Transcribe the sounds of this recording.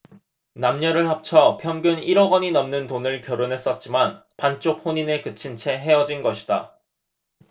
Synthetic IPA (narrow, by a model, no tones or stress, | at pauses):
namɲʌɾɯɭhap̚t͡ɕʰʌpʰjʌmɡjuniɾʌɡʌɲinʌmnɯntonɯɭkjʌɾonɦe̞s͈ʌt̚t͡ɕ͈imanpant͡ɕ͈ok̚ɸoɲinekɯt͡ɕʰint͡ɕʰe̞ɦe̞ʌd͡ʑinɡʌɕʰi̥d̥a